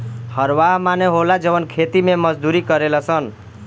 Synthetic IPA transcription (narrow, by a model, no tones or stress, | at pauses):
hʌɾwaɦmaneɦolad͡zʌbʌnkʰet̪imemʌd͡zd̪uɾikʌɾelʌsʰʌn